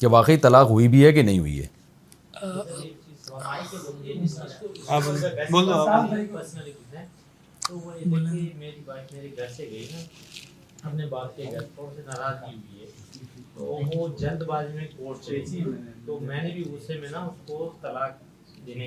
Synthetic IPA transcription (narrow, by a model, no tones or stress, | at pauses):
keʋaːqəit̪ɐlaːqɦʊibʱiɦɛkenɐɦĩɦʊ̰ḭɦɛ̰ː | d̪ɐɾeːk̚t͡ʃiːzsɐaːkeloːɡed͡ʒɪsiːzkoɐɐɾbɛːaːbmɐɾikpɐɾsnəlikɪt̪ɛ̃ | t̪oʋoed̪eemeːɾibaːkmeːɾeɡʱɐɾseɡɐina | ɐpnebaːt̪̚keɡɐit̪ɔːɽ̃senaːɾaːzkiɦʊiɦɛːt̪o̰ːʋod͡ʒɐld̪baːd͡ʒmẽkoːʈeit̪omɛ̃ːnebʱiʊɾsemẽnaʊskot̪ɐlaːk | d̪eːne